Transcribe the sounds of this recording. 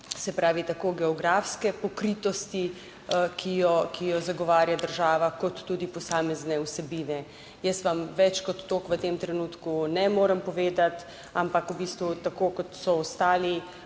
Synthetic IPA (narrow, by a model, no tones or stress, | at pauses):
sɛpɾaːʋit̪akoːɡɛɔɡɾafskɛpɔkɾit̪ɔst̪i | kʰijɔkʰijɔzaɡɔʋaːɾjad̪əɾʒaːʋakɔt̪ːuːd̪ipɔsaːmɛznɛusɛbiːnɛ | jəst̪ʋamʋɛt͡ʃkɔt̪ːoːkʋət̪eːmt̪ɾɛnuːt̪kunɛmoːɾəmpɔʋeːd̪at̪ | ampakubiːst̪ʋut̪akoːkɔt̪sɔɔst̪aːli